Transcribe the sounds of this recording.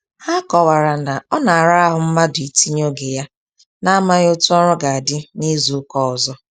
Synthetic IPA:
ha˦kɔ˨wa˨ɾa˨na˨ɔ˦na˨a˨ɾa˦a˦ɦʊ˨m̩˦ma˦dʊ˨i˨ti˦ɲo˦ɡe˨ja˦ | na˦ma˦jo˦tu˦ɔ˦ɾɔ˦ɡa˨a˨dɪ˦ni˦zu˨˦kɔ˦ɔ˨zɔ˦

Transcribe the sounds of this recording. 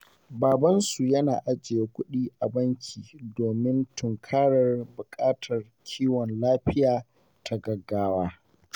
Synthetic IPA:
baː˨bɐ˦nsu˨jɐ˦na̰ː˨ʔa˦d͡ʒɪ˨je˦kʷʊ˦ɗiː˦ʔa˨bɐ˦ŋkʲʰiː˨doː˨mɪ˦ntʊ˨ŋkʰaː˦ɽɐ˨rbʊ˨kʼaː˦tʰɐ˨r | kʲʰiː˦wɔ˨nlaː˦ɸɪ˦jaː˨ | tʰa˨ɡɐ˨ɡːaː˦waː˦

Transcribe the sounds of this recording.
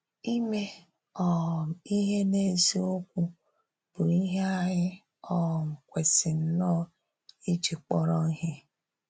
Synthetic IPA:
i˦me˦ | ɔ˦˨m˨i˦ɦe˦ne˦zi˦o˦kʷu˦ | b̥ʊ˨i˦ɦe˦a˦ɦɪ˦ | ɔ˦˨m̩˨kʷe˨sɪ˨n̩˦nɔ˦˨ | i˦t͡ʃi˨k͡pɔ˦ɾɔ˦ŋ̩˦ɦe˦

